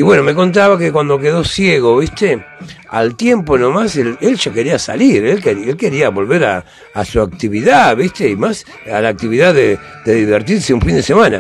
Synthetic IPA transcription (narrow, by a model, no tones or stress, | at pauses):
iβwe̞no̞me̞ko̞nt̪̬aβakekwand̪o̞k̬e̞ðo̞sjeɣo̞βist̪e | a̰lt̪je̞mpo̞nomaselelʒake̞ɾiasa̰liɾelkeɾelke̞ɾiaβo̞lβeɾaː | suak̚t̪iβiðaβist̪eimas | alaːk̚t̪iβiðaðe | dðeðiβeɾt̪iɾseuɱfind̪esemãna̰